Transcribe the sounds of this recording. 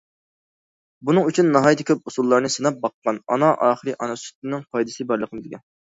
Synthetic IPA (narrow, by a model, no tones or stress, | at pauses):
bunɨŋyt͡ʃʰynːɑɦɑjd̪ʰɨkʲʰøp̚usulˠːɑɾnɨsɨnɑp̚bɑqːɑnɑ̰nɑʔɑːχəɾɨʔɑnɑsy̥t̪ːɪnɪŋqʰɑjd̪ɨsɨbɑɾlˠəqʰəmɨd̪ɪkʲɛn